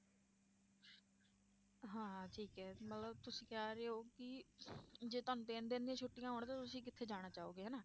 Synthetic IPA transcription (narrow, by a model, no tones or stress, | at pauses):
ɦãːʈʰiːkɛːmət̪ləbt̪ʊsĩːkaːɾeɦoːkɪ | d͡ʒeːt̪ənt̪ẽːnd̪ẽːnd̪ijãːt͡ʃʰʊʈːɪjãːɦoːɳt̪ãːt̪ʊsĩːkɪt̪ʰːeːd͡ʒaːɽ̃aːt͡ʃaːoːɡeːɦɛːnaː